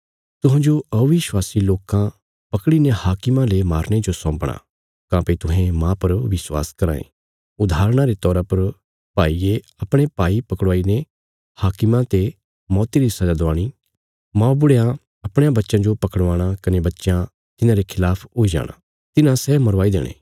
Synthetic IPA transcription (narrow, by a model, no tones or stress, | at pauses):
t̪ʊɦãːd͡ʒoʔɐuʋɪʃwaːsiloːkã | pɐkɽinehaːkɪmãlemaːɾɽ̃ed͡ʒosɔ̃ːpɽ̃a̰ | kãːpet̪ʊɦẽmãːpɐɾʋɪswa̰ːskɐɾa̰ːḛ̃ | ʊd̪ʱaːɾɽ̃aɾet̪ɔːɾapɐɾ | paːie | ɐpɽ̃epaːipɐkɽʋaːine | haːkɪmãt̪e | mɔːt̪iɾisɐd͡ʒad̪ʊaːɽ̃i | mãːbʊɽejã | ɐpɽ̃jãbɐtːʃãd͡ʒopɐkəɽʋaːɽ̃akɐnebɐtːʃjã | t̪ɪnãɾekʰɪlaːpʰoːid͡ʒa̰ːɽ̃a̰ | t̪ɪnãsɛmɐɾʋaːid̪ḛːɽ̃ḛː